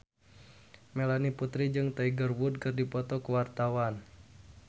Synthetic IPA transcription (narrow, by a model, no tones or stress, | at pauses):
melaniput̪ɾid͡ʒɨŋt̪aiɡərwud̚kɨrdipɔt̪ɔkəwart̪awan